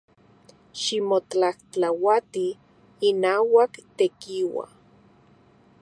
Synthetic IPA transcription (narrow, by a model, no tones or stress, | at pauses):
ʃimot͡ɬaht͡ɬawat̪iː | naːwakt̪ekiwa̰